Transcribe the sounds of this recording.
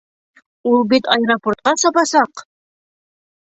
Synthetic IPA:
ulˠbit̪ɑjɾoport̪̚qɑsɑpɑsɑq

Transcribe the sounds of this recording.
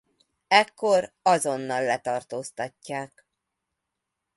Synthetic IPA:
ɛkːo̞r | ɒzo̞nːɒlːɛt̪ɒrt̪oːst̪ɒcːaːk

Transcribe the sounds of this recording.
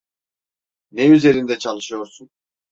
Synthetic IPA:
nɛyze̞ɾind̪ɛt͡ʃʰalˠɯʃɯjo̞ɾsun

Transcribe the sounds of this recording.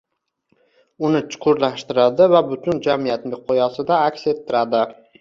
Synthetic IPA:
ʊnɪt͡ʃʰʊ̥qʰʊɾlaʃt̪ɪɾad̪ɪvabʊt̪ʰʊnd͡ʒamijat̪nmɪqʰojɒsɪd̪aːkʲse̞t̪ʰːɪɾad̪ɪ

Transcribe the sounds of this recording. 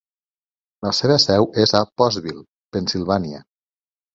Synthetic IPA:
ləseβəsɛwʔezapɔzβilˠ | pensilˠβaniə̰

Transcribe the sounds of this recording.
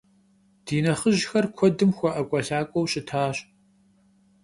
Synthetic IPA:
d̥iːnɐχəʒxɐrkʷʰɔdɨmxʷɔʔɐkʷʼɐɬaːkʷʼɔwɕʼɪtʰaːɕ

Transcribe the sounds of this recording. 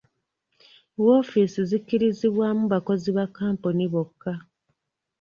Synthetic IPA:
wofisizikːiɾiziβwamuβako̞ziβakːaːmponiβokːa

